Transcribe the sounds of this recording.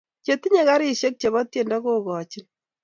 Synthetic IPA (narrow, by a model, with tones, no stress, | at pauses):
t͡ʃe˨ti˦ɲe˦ka˦ɾi˦ʃe˦k̚t͡ʃe˨βɔ˦tje˨nda˦ko˦kɔ˨t͡ʃi˦n